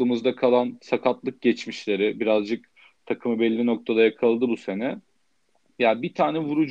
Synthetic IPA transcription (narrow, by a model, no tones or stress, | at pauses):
ɯmɯzd̪akʰalˠansakʰat̪lˠɯk̚ɟɛt͡ʃmiʃlʲe̞ɾɪbiɾazd͡ʒɯk̚ | t̪ʰakʰɯmɯbɛlʲːinok̚t̪ʰad̪ajakʰalˠd̪ɯbuse̞nɛ | jaːbit̪ʰaːnɛvuɾud͡ʒ